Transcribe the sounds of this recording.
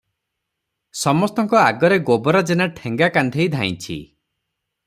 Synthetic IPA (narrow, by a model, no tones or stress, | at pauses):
sɔmɔst̪ɔŋkɔaɡɔɾeɡobɔɾɔd͡ʒenaʈʰeŋɡakand̪ʱejd̪ʱãj̃t͡ʃʰḭ